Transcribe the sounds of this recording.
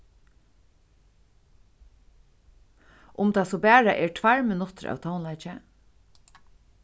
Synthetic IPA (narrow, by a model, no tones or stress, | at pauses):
ʔʊmt̪ʰasɔbæːɹaʔɛːɹʈʰvaɹmɪnʊt̪əɾʔa̰ːwt̪ʰawnlaɪt͡ʃɛ